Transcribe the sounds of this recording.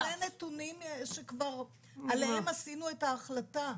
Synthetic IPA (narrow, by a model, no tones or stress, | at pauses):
enetunimʃekvaʁ | alehemasinue̞taːχlata